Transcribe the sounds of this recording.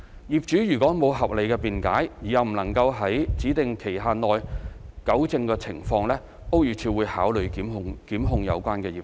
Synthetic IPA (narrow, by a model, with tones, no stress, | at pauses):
jiː˨p̚t͡ʃyː˨˥jyː˨˩kʷɔː˨˥mo˨˧wɦɐ˨p̚le˨˩jkɛː˧piː˨nka̰ː˨˥jji˨˩jɐ˨wm̩˨˩nɐ˨˩ŋkɐ˧wɦɐ˨˥jt͡siː˨˥t̪ɪ˨ŋkʰe˨˩jɦaː˧nɔː˨˧jkɐ˨˥wt͡sɪ˧ŋkɛː˧t͡sʰɪ˨˩ŋfɔː˧ŋlɛː˥ | ʔo˥wjyː˨t͡sʰiː˧wuː˨˧jhaː˨˥wlɵ˨ɥkiː˨˥mʊ˧ŋkiː˨˥mɦʊ˧ŋjɐ̰˨˧wkʷwaː˥nkɛː˧jiː˨p̚